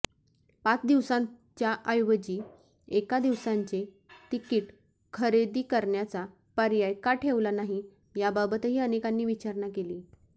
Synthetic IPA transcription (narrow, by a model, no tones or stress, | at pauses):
pat͡sd̪iʋsãt͡ɕjaʔəjʋəd͡ʑiː | ekad̪iʋsaɲt͡ɕe | t̪ikiːʈ | kʰəɾed̪iːkəɾɳjat͡sa | pəɾjajkaʈʰeʋlanaɦi | jababət̪ɦiːənekanːiːʋit͡ɕaɾɳakeliː